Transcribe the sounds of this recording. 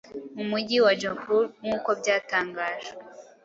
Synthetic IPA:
umuɟiwad͡ʒompuɾŋuːko̞bɟaːtaːŋɡaːʒe

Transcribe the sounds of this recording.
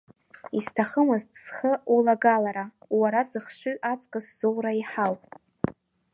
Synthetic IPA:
istʰaχəmɨztʰʼsχəulaɡalaɾawaɾazɨχʂʷɨɥʔat͡sʼkʼɨszowraiħawpʼ

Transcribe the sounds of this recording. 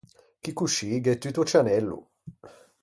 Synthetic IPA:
kikuʃiɡɛt̪ːit̪ɔt͡ʃanɛlːṵ

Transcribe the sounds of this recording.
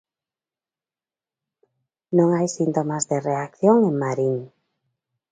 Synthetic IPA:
nõŋajsint̪omazðereak̚θjoŋeŋmaɾiŋ

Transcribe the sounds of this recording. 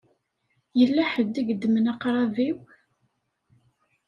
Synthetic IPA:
jəlːæħəd̪ːiɡd̪ːəmənɑqɾˤɑviw

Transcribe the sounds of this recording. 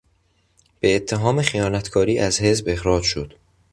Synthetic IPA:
b̥e̞ːt̪ʰːeɦɒːmexijɒːnæt̪ʰkʰɒːɾiːʔæzhe̞zbe̞hɾɒːd͡ʒʃod̪̥

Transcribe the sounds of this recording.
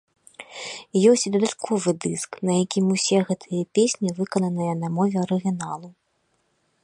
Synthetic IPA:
jɔsʲt͡sʲd̪ɐd̪at̪kʰɔvɨd̪ɨsknɐjakʲimusʲɛɣɛt̪ʰɨjɐpʲesʲnʲivɨkɐnɐnɨjɐnɐmɔvʲɛɐɾɨɣʲinalˠu

